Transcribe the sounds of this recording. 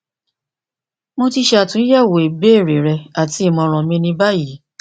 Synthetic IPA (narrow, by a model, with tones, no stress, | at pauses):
mo˧ti˧ʃɛ˧a˧˨tũ˨˦jɛ˦˨wo˨e˨be˦e˦˨ɾe˨ɾɛ˧a˨ti˨˦i˦˨mɔ̃˧ɾ̃ɔ̃˧mĩ˧nĩ˧ba˦ji˨˦